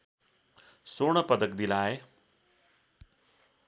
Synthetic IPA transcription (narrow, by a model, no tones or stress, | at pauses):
soɽ̃ʌpʌd̪ʌkd̪ilae